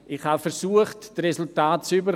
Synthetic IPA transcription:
ʔɪχhafɛɾsuəχtdresʊltaːt̚t͡sybə

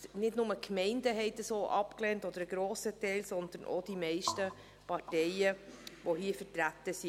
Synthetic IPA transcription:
nɪdnʊməkmɛɪndəɦɛɪtəsoːʔɑpklɛːntɔd̪əɾəɡ̥ɾoːsətɛɪlsɔnd̪ənʔo̰d̥imɛɪʃtə | pɑɾtɛɪəʋohiːfəɾtɾæt̪əsi

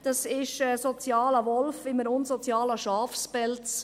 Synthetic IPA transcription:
d̥ɑsɪʃɛsɔt͡sjɑːləʋɔlfɪməɾʊnsɔt͡sjɑːlɑʃɑːfspɛlt͡s

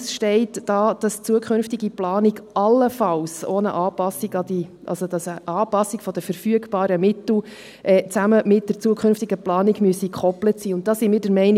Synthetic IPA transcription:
sʃtɛɪtd̥ɑːd̥ɑst͡suəkʰχʏnftiɡiplɑːniɡʔɑlːəfɑlsoːnə̰ʔɑːpɑsiɡɑdiʔɑ̰lsodɑsəʔɑːpɑsːikfɔd̥̪əfəɾfyəɡb̥ɑːɾəmɪt̪l̩ | ʔɛːt͡sæməmɪt̚d̥əɾt͡suəkʰχʏnftiɡəplɑːniɡmyəsikʰχɔplətsiːʊnt̚d̥ɑsimɪːɾdəɾmɛɪn

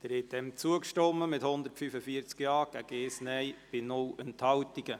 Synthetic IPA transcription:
d̥əɾhɛt̚d̥ɛmt͡suəkʃtɔmːəmɪthʊnd̪əɾtfyfəfiəɾt͡skjɑːɡ̥æɡ̥eːsnɛjb̥ɪnʊlɛnthɑltiɡə

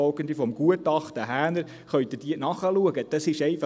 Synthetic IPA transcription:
ɔlɡənd̪ifɔmɡ̥uətɑχtəɦæːnəɾ | χœʏtɪd̥iənɑχəluəɡəd̥ɑsɪʃɛɪfɑ

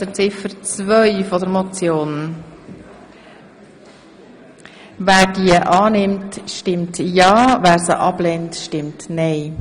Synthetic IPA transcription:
d̥ət͡sɪfəɾt͡svœʏfɔdəɾmɔt͡sjoːn | væːɾd̥iəʔɑːnɪmtʃtɪmtjɑːvæːɾsə̰ʔɑblɛntʃtɪmtnɛɪ

